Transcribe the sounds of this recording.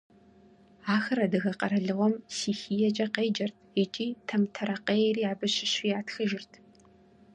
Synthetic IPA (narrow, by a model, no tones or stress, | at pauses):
aːxɐɾɐdɨɣɐqɐɾɐɮɨʁʷɔmsiːxiːjɐt͡ʃʼɐqeːd͡ʒɐrtʰit͡ʃʼiːtʰɐmtʰɐɾɐqeːriːaːbɨɕɪɕijaːtʰxɨʒɪrtʰ